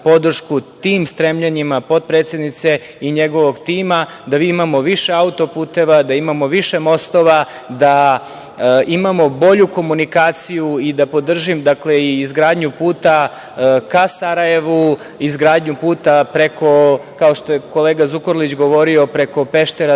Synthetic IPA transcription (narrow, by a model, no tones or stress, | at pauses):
po̞d̪r̩ʃkut̪iːmst̪ɾemʎaɲimapo̞t̪̚pɾeːt̪sjed̪nit̪se̞ | iɲe̞ɡo̞ʋo̞ɡt̪iːma | d̪aʋiːimamo̞ʋiʃe̞aut̪o̞puːt̪e̞ʋad̪aimamo̞ʋiʃe̞mo̞st̪o̞ʋa | d̪a | imamo̞bo̞ʎuko̞munikaːt̪sijuid̪apo̞d̪r̩ʒimd̪akle̞iːzɡɾaːd̪ɲupuːt̪a | kasaɾaje̞ʋu | izɡɾaːd̪ɲupuːt̪apɾeko̞kao̞ʃt̪o̞je̞ko̞le̞ːɡazukoɾlit͡ɕɡo̞ʋo̞ɾio̞pɾe̞ko̞pe̞ʃt̪eɾa